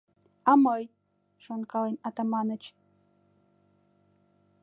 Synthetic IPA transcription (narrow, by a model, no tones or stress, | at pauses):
ɑməj | ʃonkɑlenɑt̪ɑmɑnət͡ɕ